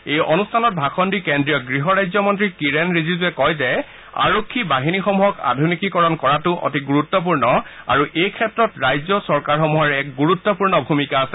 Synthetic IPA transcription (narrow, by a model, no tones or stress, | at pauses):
ejɔnustʰanɔt̚bʱaxʰɔndikɛndɹijɔɡɹiɦɔɹajzɔmɔntɹikiɹenɹizizuɛkɔjzɛ | a̰ɹokʰːibaɦinixɔmuɦɔka̰dʱunikikɔɹɔnkɔɹatʊʔɔ̰tiɡuɹutːɔp̬uɹnɔ | a̰ɹuʔejkʰɛtɹɔtɹajzɔsɔɹkaɹxɔmuɦɔɹɛk̚ɡuɹutːɔpuɹnɔbʱumikaːsɛ